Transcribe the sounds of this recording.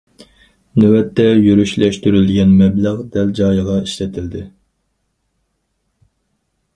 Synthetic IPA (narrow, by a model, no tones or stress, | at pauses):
nøwɛt̪ːɛjyɾyʃlɛʃt̪yɾylɡʲɛnmɛblæʁd̪ɛld͡ʒɑːjʁɑiʃlɛt̪ʰɪld̪ɪ